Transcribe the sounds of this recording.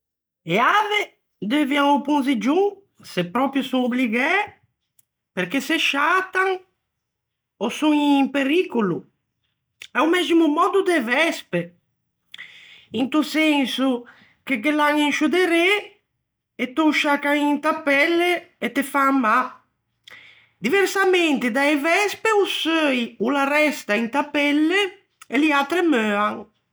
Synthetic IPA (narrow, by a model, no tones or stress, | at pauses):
eave | d̪eviaŋopũnzid͡ʒuŋ | sepːɾɔpɾjusuŋobliɡɛ | peɾkeseʃat̪aŋ | osuŋimpeɾikulu | ɛumɛzimumɔd̪ud̪evɛspe | int̪usɛnsu | k̟ek̬elaŋinʃud̪eɾe | et̪ːɔʃakaŋint̪apɛlːeet̪ːefamːa | d̪iveɾsament̪ɪd̪aevɛspeusøjularɛst̪aint̪apɛlːe | eliat̪ɾemøːaŋ